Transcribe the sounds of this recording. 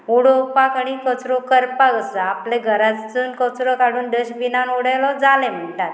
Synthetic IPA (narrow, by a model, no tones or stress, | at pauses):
uɽopakəɽ̃ikət͡sɾɔkəɾpaɡəsəapleɡʱəɾat͡st͡sunkət͡sɾɔkaɽuːnɖəɕbinanuɽajlɔd͡zalem̤əɳʈat̪̚